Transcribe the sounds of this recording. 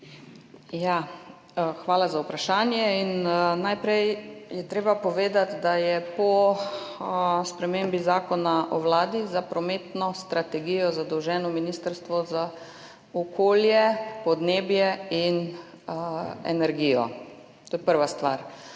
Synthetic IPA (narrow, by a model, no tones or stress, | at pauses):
ja | xʋaːlazaupɾaʃaːnjɛinnajpɾɛjjɛt̪ɾeːbapɔʋeːd̪at̪d̪ajɛpɔ | spɾɛmembizaːkɔnaʔɔʋlaːd̪izapɾɔmeːt̪nɔst̪ɾat̪ɛɡijɔzad̪ɔwʒɛːnɔminiːst̪əɾst̪ʋɔza | ɔkʰoːljɛpɔd̪neːbjɛin | ɛ̰nɛɾɡijɔ̰ | t̪oːjɛpəɾʋast̪ʋa̰ːɾ